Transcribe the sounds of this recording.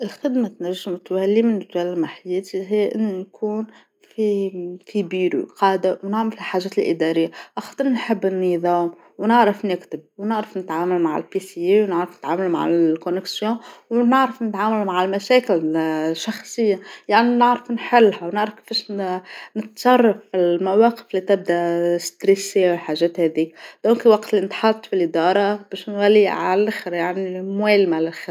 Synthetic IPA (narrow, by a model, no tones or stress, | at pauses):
ʔɪlxɪd̪mat̪næʒːamt̪wælːimɪnt̪wælːmaħajɛːt̪iɦɪjːʔɪnːujkʰuːn | fikʰibiːɾṵqɑːd̪awnaʕmalhɪlħaːʒɛːt̪lʔɪ̰d̪ɑɾɪjːaʔɑxt̪ˤɨɾnħɪbːɪnːiðˤɑːm | wnɪʕɾɪfnɪkt̪ɪb̚wnɪʕɾafnɪt̪ʕaːmalmaʕa̰lpisiewnɪʕɾɑfnɪt̪ʕaːmalma̰ʕa̰konɪksjõːwnɪʕɾɑfnɪt̪ʕaːmalmaʕɪlmaʃeːkɪlʃɑxsˤɨjːajaʕninɪʕɾɑfnħɪlːhawnɪʕɾɑfkfeʃnɪt̪sˤɑrˤːɑfɪlmawɑːqɪ̥flit̪ɪb̚d̪aʔst̪ɾisːewħaːʒeːt̪haːd̪iːk̚d̪̥oːnkiwaqt̪linɪt̪ħɑt̪ːˤfilʔɪd̪ɑːɾˤɑb̥eːʃnwalːiʕa̰ʔɪxɾjaʕnimweːlmalɪlxɪ